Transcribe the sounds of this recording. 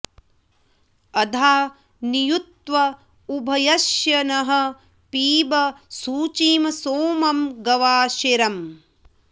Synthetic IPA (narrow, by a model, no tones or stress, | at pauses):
ɐd̪ʱaː | nijut̪ʋɐ | ubʱɐjɐʃjɐnɐɦɐ̆ | piːbɐsuːt͡ʃiːmɐsoːmɐmɡɐʋaːʃiɾɐm